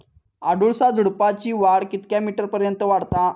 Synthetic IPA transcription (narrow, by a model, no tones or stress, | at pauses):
aɽuɭsad͡zʱuɽpat͡ɕiːʋaɽkit̪kjamiʈəɾpəɾjənt̪əʋaɽt̪a